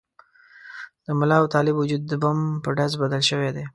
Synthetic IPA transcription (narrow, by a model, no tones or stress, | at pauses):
d̪̥əmʊlɑwt̪ɑlɪbʊd͡ʒud̪̚ːəbampəɖazbad̪əlʃəwed̪e